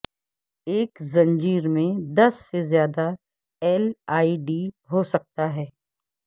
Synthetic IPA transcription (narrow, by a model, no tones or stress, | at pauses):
eːkzɐ̃nd͡ʒiːɾmẽd̪ɐsːezjaːd̪a | ɛːlaːiɖi | ɦosɐk̚t̪aɦɛː